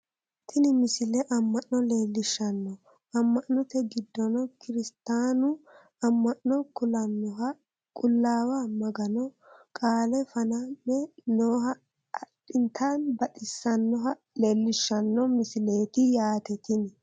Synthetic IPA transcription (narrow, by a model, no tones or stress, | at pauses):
t̪ʰɪnɪmɪsɪlɛʔɐmːɐʔnɔleːlːɪʃːɐnːɔ | ɐmːɐʔːʊt̪ɛɡɪd̪ːɔnɔkɪɾɪst̪aːnʊ | ɐmːɐnːɔkʊlɐnːɔɦɐ | kʼʊlːaːwamɐɡɐnɔ | kʼaːlɛfɐnɐnːɛnoːɦɐː | ɗːɪnt̪ʰanbɐtɪsːɐnːɔɦɐ | le̞ːlːɪʃːɐnːɔmɪsɪle̞ːt̪ɪjaːt̪ɛt̪ɪnɛ